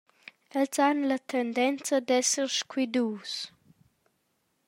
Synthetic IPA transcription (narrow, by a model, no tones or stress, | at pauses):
ɛlzanlət̪ʰɛnd̪ɛnt͡səd̪ɛsəɾʃkwid̪uːs